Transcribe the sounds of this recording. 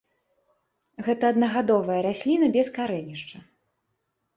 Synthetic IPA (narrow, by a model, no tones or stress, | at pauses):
ɣɛt̪ɐːd̪nɐɣad̪ɔvɐjɐɾasʲlʲinɐbʲɛskaɾɛnʲiʂt͡ʂɐ